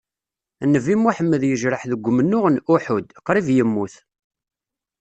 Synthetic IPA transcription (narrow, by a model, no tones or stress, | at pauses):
nːəvimaħəmːəðjəʒɾəħðəɡʷːmənːʊʁnʔʊħʊd̪qɾˤivjəmːuθ